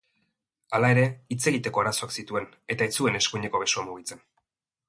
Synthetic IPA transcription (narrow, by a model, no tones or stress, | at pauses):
alae̞ɾe̞it͡se̞ɣit̪e̞ko̞aɾaso̞aksit̪ue̞n | e̞t̪aet͡sue̞ne̞skuɲe̞ko̞βe̞suamuɣ̞it͡se̞n